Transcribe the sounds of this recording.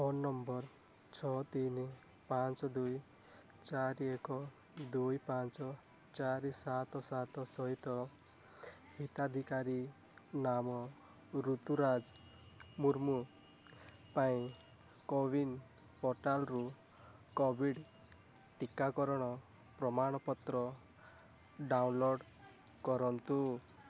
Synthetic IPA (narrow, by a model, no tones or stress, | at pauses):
ɔnːɔmbɔɾ | t͡ʃʰɔt̪ini | pant͡ʃɔd̪uj | t͡ʃaɾiekɔ | d̪ujpant͡ʃɔ | t͡ʃaɾisat̪ɔsat̪ɔsɔɦit̪ɔ | hit̪ad̪ʱikaɾi | namɔ | ɾut̪uɾad͡ʒ | muɾmu | paĩ | kobin | pɔɾʈalɾu | kɔbʱiɽ | ʈikːakɔɾɔɽ̃ɔ | pɾɔmaɽ̃ɔpɔt̪ɾɔ | ɖawnloɖ | kɔɾɔnt̪u